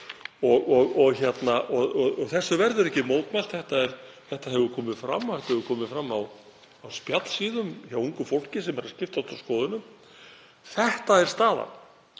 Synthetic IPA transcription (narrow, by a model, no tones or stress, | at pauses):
ɔɣɔɣɔɣçɛt̪naʔɔɣɔɣɔɣθɛsːʏvɛɾðʏɾɛhcɪmoːwt̪majlt̪θɛht̪aɛɾθɛht̪aɦɛvʏɾkʰɔːmɪðfɾa̰mːawθɛht̪aɛvʏɾkʰɔːmɪðfɾamːaw | awspjat̪l̥siːðʏmçawuŋkʏfowl̥cɪsɛmɛɾascɪft̪at̪awskɔːðʏnʏm | θɛht̪aɛɾ̥st̪aːða̰n